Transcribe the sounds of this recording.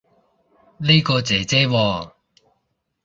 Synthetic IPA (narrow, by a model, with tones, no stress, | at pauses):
ne˥kɔː˧t͡sɛː˨˩t͡sɛː˥wɔː˧